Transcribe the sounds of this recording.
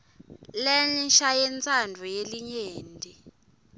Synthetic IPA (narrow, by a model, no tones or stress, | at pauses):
lɛnʃajɛnt͡sʰʼandʱɔjeliɲeːndʱi